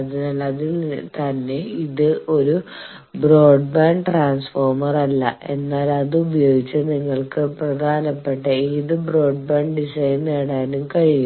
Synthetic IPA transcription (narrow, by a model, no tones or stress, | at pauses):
ɐðinaːlɐðint̪ɐnːe̞iðɨo̞ɾu | bro̞ːɖbaːɳɖʈraːnsfoːrmɐrɐlːɐ̰ʔe̞nːaːlɐðɨubɐjo̞ːɡit͡ɕːɨniŋːɐɭkɨprɐd̪ʱaːnɐpːe̞ʈːɐiðɨbro̞ːɖbaːɳɖɖisɐjneːɽaːnumkɐɻiju